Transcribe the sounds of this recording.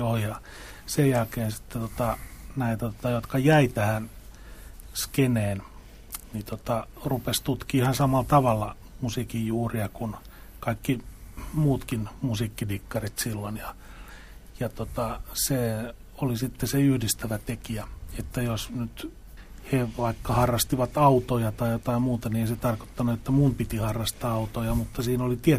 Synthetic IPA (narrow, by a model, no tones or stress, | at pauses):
joːjɑ | sejjælkeːnsi̥t̪ːet̪ot̪ɑnæit̪æt̪o̥t̪ɑjot̪kɑjæit̪æhæn | skeneːn | nit̪ot̪ɑrupest̪ut̪kiihɑnsɑmɑlt̪ɑʋɑlːɑ | musikijjuːriɑkun | kɑikːimuːt̪kinmusiːkːidikːɑrit̪silːonjɑ | jɑt̪ot̪ɑse | olisit̪ːeseyhdist̪æʋæt̪ekiæet̪ːæjosnyt̪ | heʋɑikːɑhɑrːɑst̪iʋɑt̪ɑut̪ojɑt̪ɑijot̪ɑimuːt̪ɑnieiset̪ɑrko̥t̪ːɑnuet̪ːæmumpit̪ihɑrːɑst̪ɑːɑut̪ojɑmut̪ːɑsiːnolit̪ie